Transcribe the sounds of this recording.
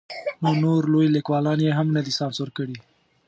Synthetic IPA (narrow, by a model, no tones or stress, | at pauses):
nonoɾlojlɪkwɑlɑnjeɦamnəd̪isɑnsʊɾkəɽi